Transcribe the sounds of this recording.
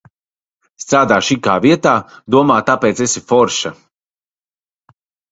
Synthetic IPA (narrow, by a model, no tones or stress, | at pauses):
st̪ɾaːd̪aːʃikaːviɛt̪aːd̪uɔmaːt̪apeːt̪sesifɔɾʃa